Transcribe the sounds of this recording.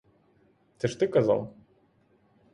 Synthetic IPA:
t̪ɛʂt̪ɨkaza̰lˠ

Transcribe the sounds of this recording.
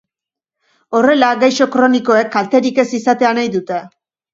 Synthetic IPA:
o̞re̞laɡajʃo̞kɾo̞niko̞e̞kːalt̪e̞ɾike̞sisat̪e̞anajðut̪e̞

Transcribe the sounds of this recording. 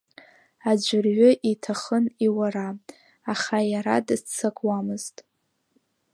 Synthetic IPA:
ad͡ʒʷɪrɥʊʔitʰaχəniwaɾaː | χajaɾa̰dɨt͡sʰakʷʼwamɨz̥tʼ

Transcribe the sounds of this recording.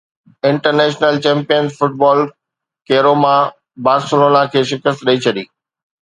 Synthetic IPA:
ɪ̃ɳʈəɾneːʃnəlt͡ɕɛ̃ːmpijənzfʊʈ̚bɔːl | keːɾomã | baːsloːnãkʰeːʃɪkəst̪ɗɐit͡ɕʰɐɗḭː

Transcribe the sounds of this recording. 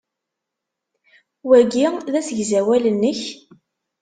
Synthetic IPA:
wæɡiðæsəʝzæwælənːəç

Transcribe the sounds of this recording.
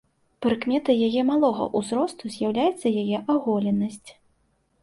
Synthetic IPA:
pɾɨkmʲɛt̪ɨjajɛmalˠɔɣɐ̰ʔuzɾɔst̪uzʲjawlʲajɛt̪sːɐjajɛʔaɣɔlʲɛnːɐsʲt͡sʲ

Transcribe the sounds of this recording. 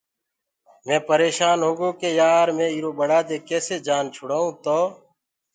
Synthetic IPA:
mẽːpəɾeːʃaːnɦoːɡoːkeːjaːɾmẽːiːɾoːɓəɽaːd̪eːkeːseːd͡ʒaːnt͡ʃʰʊɽaːɦũːt̪oː

